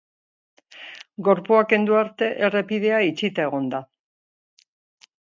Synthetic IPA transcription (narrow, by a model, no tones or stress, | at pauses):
ɡo̞ɾpuake̞nd̪uaɾt̪e̞ʔere̞pið̞e̞ait͡ʃit̪ae̞ɣ̞o̞nd̪a